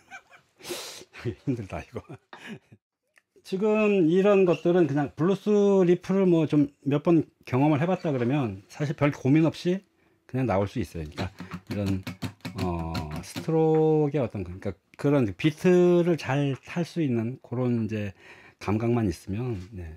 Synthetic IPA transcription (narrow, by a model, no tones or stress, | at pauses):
ɡehimdɯɭda̰iɡo | t͡ɕiɡɯmiɾʌnɡʌt̚t͈ɯɾɯnkɯɲaŋpuɭːus͈uɾipʰɯɾɯɭmwʌt͡ɕomːjʌɭp͈ʌn | kjʌŋʌmɯɭɦe̞bat̚t͈aɡɯɾʌmjʌnsʰaɕʰiɭpjʌɭkominʌp̚ɕ͈i | kɯɲaŋnaoɭs͈uis͈ʌjoɯɲik͈aiɾʌnʌ̰sʰɯ̥tʰɯɾoɡe̞ʌt͈ʌnkɯɲik͈a | kɯɾʌnpitʰɯɾɯɭt͡ɕaɭtʰaɭs͈uinːɯnkoɾonid͡ʑe̞ | kamɡaŋmaɲis͈ɯmjʌnːe̞